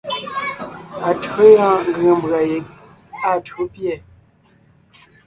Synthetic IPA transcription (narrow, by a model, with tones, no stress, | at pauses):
a˨tɰo˦jã˦ŋ̩˦ɡə˨ə˨m˨bɰa˨je˨ | a˦˨tu˦pjɛ˦˨